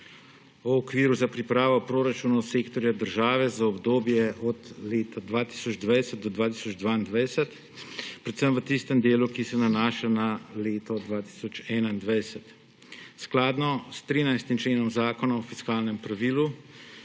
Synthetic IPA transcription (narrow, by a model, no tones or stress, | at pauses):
ɔɔkʋiːɾuzapɾipɾaːʋɔpɾoːɾat͡ʃunɔseːkt̪ɔɾjad̪əɾʒaːʋɛzaɔbd̪oːbjɛʔɔd̪leːt̪ʰad̪ʋaːt̪i̥sɔd͡ʒd̪ʋajsɛt̪̚d̪ɔd̪ʋaːt̪i̥sɔd͡ʒd̪ʋaːind̪ʋajsɛt̪ | pɾɛt̪səmʋət̪ist̪ɛmd̪eːlukisɛnanaːʃanaleːt̪ɔd̪ʋaːt̪i̥sɔt͡ʃɛːnaind̪ʋajsɛt̪ | sklaːd̪nɔst̪ɾiːnajst̪imt͡ʃleːnɔmzaːkɔnaɔfiskaːlnɛmpɾaʋiːlu